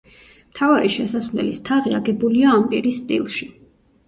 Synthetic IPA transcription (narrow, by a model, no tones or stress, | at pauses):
m̥t̪ʰavaɾiʃɛsasvlɛ̰list̪ʰaʁiaɡɛbuliaːmpʼiɾisːt̪ʼḭlˠʃi